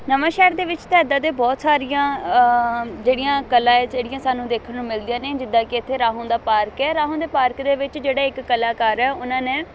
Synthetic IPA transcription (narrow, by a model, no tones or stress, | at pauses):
nəʋãːʃɛːɾd̪eːʋɪt͡ʃt̪ɛːd̪aːd̪eːbɔːt̪saːɾijãː | d͡ʒeːɽijãːkəlãːɛːd͡ʒeːɽɪjãːsaːnũːd̪eːkʰənnũːmɪld̪ijãːnẽːd͡ʒɪd̪ːãːkɪɪt̪ʰːeːɾaːɦõːd̪aːpaːɾkɛːɾaːɦõːd̪eːpaːɾkd̪eːʋɪt͡ʃd͡ʒeːɽaːɪkːəlaːkaːɾɛːʊnãːnẽː